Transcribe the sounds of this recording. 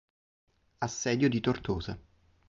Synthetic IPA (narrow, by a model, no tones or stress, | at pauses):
asːɛːd̪jod̪it̪ort̪oːza